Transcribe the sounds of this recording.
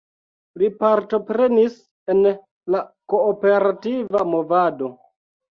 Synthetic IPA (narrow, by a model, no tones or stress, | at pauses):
lipaɾto̞pɾe̞nis | en | lako̞ːpe̞ɾativamo̞vado̞